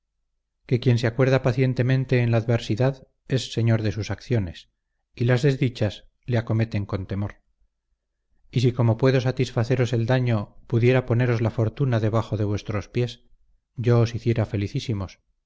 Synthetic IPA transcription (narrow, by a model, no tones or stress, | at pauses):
ke̞kje̞nseakwe̞ɾðapaθje̞nt̪e̞mẽnt̪e̞ːnlaːðβe̞ɾsiðað | e̞sːe̞ɲo̞ɾðe̞susakθjo̞ne̞s | ilazðe̞zðit͡ʃas | leako̞me̞t̪e̞ŋko̞nt̪e̞mo̞ɾ | isiko̞mo̞pwe̞ðo̞sat̪isfaθe̞ɾo̞se̞ld̪aɲo̞puðje̞ɾapo̞ne̞ɾo̞zlafo̞ɾt̪unaðe̞β̞axo̞ðe̞β̞we̞st̪ɾo̞spje̞s | ʝoːsiθje̞ɾafe̞liθisimo̞s